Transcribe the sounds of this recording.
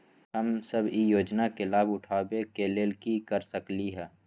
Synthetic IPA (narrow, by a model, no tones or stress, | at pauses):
ɦəmsəbʱijoːd͡ʒnakelaːbʊʈʰaːbekeleːlkikɐɾsəkliɦɛː